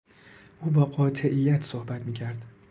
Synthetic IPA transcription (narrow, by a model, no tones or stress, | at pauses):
ʔuːbɒːɢɒːt̪ʰe̞ʔijːæt̪ʰsohbæt̪miːcʰæɾd̪̥